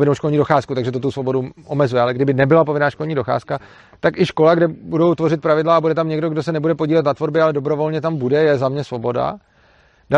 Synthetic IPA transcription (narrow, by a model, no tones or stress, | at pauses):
vɪnowʃkolɲiːdo̞xaːskut̪aɡʒɛt̪ot̪̬usvo̞bo̞duʔomɛzujɛalɛɡdɪbɪnɛbɪlapovɪnaːʃko̞lɲiːdo̞xa̰ːska | t̪akʔɪʃko̞laɡdɛbudo̞wt̪vo̞rɪt̪̚pɾavɪdlaabudɛt̪amɲɛɡdo̞ɡdosɛnɛbudɛpoɟiːlɛt̪nat̪vo̞ɾbɪalɛdobɾo̞vo̞lɲɛt̪ambudɛjɛzamɲɛsvo̞bo̞da̰ | da